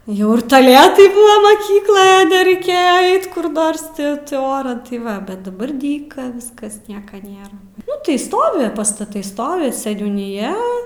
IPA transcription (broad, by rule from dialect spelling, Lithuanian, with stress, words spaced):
ˈjɛʊ ɪr tɐˈlʲæːtɐɪ ˈbuːʋɐ mɐˈkʲiːklˠoːj nʲɛrʲɛɪˈkʲeːjɛ ˈɐɪt kʊr ˈnoːrs ˈtʲɪ tʲɪ ˈoːrɐn tɐɪ ˈʋɐ bʲɛt dɐˈbɐr ˈdʲiːkɐ ˈʋʲɪskɐs ˈnʲiɛkɐ ˈnʲeːrɐ ˈnʊ tɐɪ ˈstoːʋʲɪ pɐstɐˈtɐɪ ˈstoːʋʲɪ sʲɛnʲuːnʲɪˈjɛ